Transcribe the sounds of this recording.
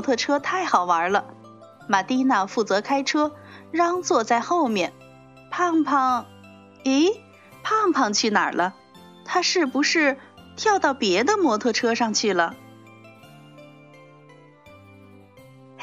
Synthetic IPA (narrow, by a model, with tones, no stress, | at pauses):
t̪ʰɤ˥˧ʈ͡ʂʰɤ˥t̪ʰa˥˩ɪxɑ˨˩ʊwa˧˥lə˧ | ma˨˩t̪i˥na˥˧fu˥˩t͡sɤ˧˥kʰa˥ɪʈ͡ʂʰɤ˥ɻɑ˥ŋt͡swɔ˥˧t͡sa˥˧ɪxo˥˧ʊmjɛ˥˩n | pʰa˥˩ŋpʰɑ˥˩ŋ | e˥ɪ | pʰa˥˩ŋpʰɑ˥˧ŋt͡ɕʰy˥˩na̰˨˩lʔə˦ | t̪ʰa˥ʂɻ̩˥˩pu˧˥ʂɻ̩˥˩t̪ʰjɑ˥˧ʊt̪ɑ˥˩ʊpjɛ˧˥d̪ə˧mwɔ˧˥t̪ʰɤ˥˧ʈ͡ʂʰɤ˥ʂɑ˥˧ŋt͡ɕʰy˥˩lə˩